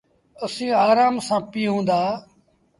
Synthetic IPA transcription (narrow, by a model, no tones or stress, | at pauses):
əsĩːaːɾaːmsãːpiːɦũːnd̪aː